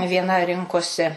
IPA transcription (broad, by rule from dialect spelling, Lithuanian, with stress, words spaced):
ʋʲiɛˈnɐ ˈrʲɪŋkoːsʲɪ